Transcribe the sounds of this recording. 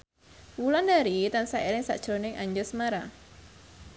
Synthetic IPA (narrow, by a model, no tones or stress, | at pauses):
wulandaɾit̪ansaʔeɾɪŋsa̰ʔd̥ʒ̥ɾonɪŋʔaɲd͡ʒʊsəmaɾa